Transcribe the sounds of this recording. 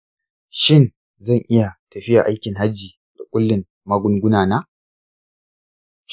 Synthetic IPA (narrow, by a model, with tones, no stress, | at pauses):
ʃɪ˦n | zɐ˦˨ŋʔɪ˦ja˨tɐ˨ɸɪ˦ja˨ʔa˦jkʲɪ˨ŋɦa˦d͡ʒːiː˨ | da˨kʷʼʊ˦lːɪ˨m | ma˦ɡʷʊ˦ŋɡʷʊ˦naː˨naː˦